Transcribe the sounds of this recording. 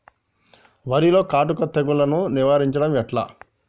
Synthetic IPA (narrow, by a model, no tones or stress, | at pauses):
ʋɐɾilo̞ːkaːʈukɐt̪ːɐɡulɐnuniʋaːɾiɲt͡ʃɐɽɐmɛʈla̰ː